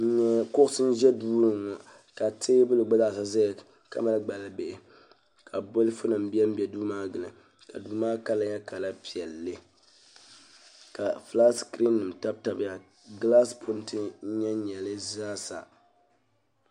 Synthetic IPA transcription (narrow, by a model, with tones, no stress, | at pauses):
ɲɛ˦kʊ˦ʔsɨ˦n˦ʒɛ˦duː˦ɾɨ˦ŋa˨ | ka˨teː˦bɨ˦lɨ˨ɡ͡ba˦da˦˨sa˨za˦j | ka̰˨ma˦lɡ͡ba˨la˨be˨ʔɪ˨ | kʰa˨bo˦lɨ˦fʊ˦nɨ˨m̩˦bi˦ɛ˦m̩˦bɛ˨duː˦maː˦ɡɨ˨lɨ˨ | ka˨duː˦maː˦ka˦la˦ɲɛ˦ka˨la˦pi˨ɛ˨lːɨ˦ | ka˨fla˦skɾi˦nːɨ˨m˨ta˦b̚ta˨bɪ˦ja˨ | ɡla˦spʰʊ˦ntʰɨ˦ɲɛ˦ɲɛ˨lɨ˦zaː˦sa̰˨